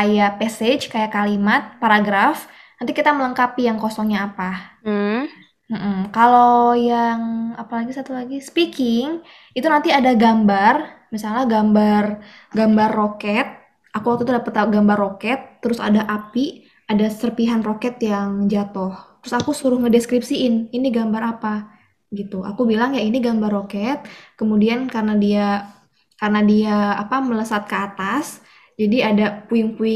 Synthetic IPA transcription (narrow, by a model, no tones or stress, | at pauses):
kajapɛset͡ʃkajakalimat̪̚paɾaɡɾaf | nant̪ikit̪amələŋkapijaŋkosɔŋɲaːpa | m̩ʔm̩kalojaŋapalaɡisat̪ulaɡisə̥pikɪŋ | it̪unant̪iadaɡambarmisalahɡambar | ɡambarːokɛt̪̚ | ʔakuwakt̪ut̪udapət̪aɡambarːokɛt̪ːəɾʊsa̰daʔapi | adasərpiɦanrokɛt̪jaŋd͡ʒat̪ʊht̪əɾʊsakusuɾʊhŋədeskɾipsiɪniniɡambaɾapa | ɡit̪uʔa̰kubilaŋjainiɡambarokɛt̪̚kəmudiankarənadia | karənadiaːpamələsat̪̚kəat̪as | d͡ʒadiadapuɪŋpuɪ